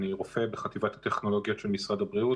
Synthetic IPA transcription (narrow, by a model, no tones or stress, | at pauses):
niʁofe̞beχat̪ivat̪hat̪eχno̞lo̞ɡjo̞t̪ʃelmisʁad̪abʁiu